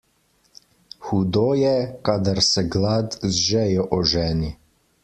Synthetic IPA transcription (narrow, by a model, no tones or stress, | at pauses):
xud̪oːjɛkaːd̪aɾsɛɡlat̪zʒɛjɔʔɔʒɛːni